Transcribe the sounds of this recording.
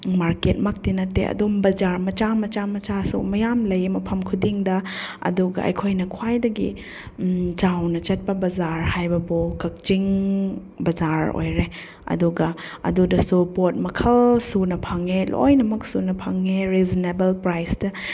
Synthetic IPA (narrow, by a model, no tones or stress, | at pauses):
maɾket̚mak̚tinɐtːḛʔɐ̰dumbɐd͡ʒaɾmɐt͡ʃamɐt͡ʃamɐt͡ʃasṵmɐjamlɐjmɐpʰɐmkʰudiŋdɐɐ̰duɡɐ̰ɐ̰jkʰojnɐkʰwajdɐɡḭ | t͡ʃawnɐt͡ʃɐt̚pɐbɐzaɾhajbɐbokɐk̚t͡ʃiŋ | bɐzaɾo̰jɾe | ɐ̰duɡɐ | ɐ̰dudɐsupot̚mɐkʰɐlsunɐpʰaŋelo̰jnɐmɐk̚sunɐpʰaŋeɾeznebɐlpɾajsdɐ